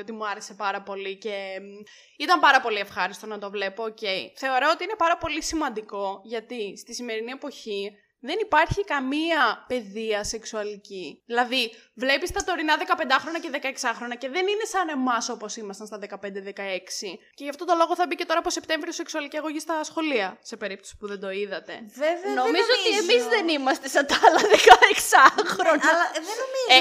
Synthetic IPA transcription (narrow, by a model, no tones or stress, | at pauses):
ot̪imuɐɾe̞se̞pɐɾɐpo̞lice̞ | it̪ɐmpɐɾɐpo̞lie̞fxɐɾist̪o̞nɐt̪o̞vle̞po̞ːce̞ḭθe̞o̞ɾoot̪iine̞pɐɾɐpo̞lisimɐnd̪iko̞ʝɐt̪ist̪isime̞ɾinie̞po̞çi | ðe̞nipɐɾçikɐmiɐpe̞ðiɐse̞ksuɐliciðilɐðivle̞pist̪ɐt̪o̞ɾinɐðe̞kɐpe̞nd̪ɐxɾo̞nɐceðe̞kɐeksɐxɾo̞nɐce̞ðe̞nine̞sɐne̞mɐso̞po̞simɐst̪ɐnst̪ɐðe̞kɐpend̪eðekɐe̞ksice̞ʝɐft̪o̞t̪o̞lo̞ɣo̞θɐbice̞t̪o̞ɾɐːposep̚t̪e̞ɱvɾiose̞ksuɐliciɐɣo̞ʝist̪ɐsxo̞liɐse̞pe̞ɾip̚t̪osi̥puðe̞nd̪o̞iðɐt̪e̞̰vevenno̞mizzoot̪imizðenimɐst̪esɐnt̪ɐɐlɐðekɐeksɐxɾonɐlɐðenomi